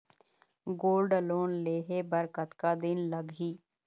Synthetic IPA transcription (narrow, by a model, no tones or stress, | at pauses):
ɡoːlɖəloːnleːɦeːbəɾkət̪kaːd̪ɪnləɡɦiː